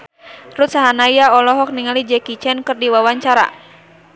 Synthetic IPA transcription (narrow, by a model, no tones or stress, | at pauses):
rut̪̚saɦanaiaɔlɔɦɔk̚niŋalid͡ʒɛkit͡ʃɛnkɨrdiwawaɲt͡ʃaɾa̰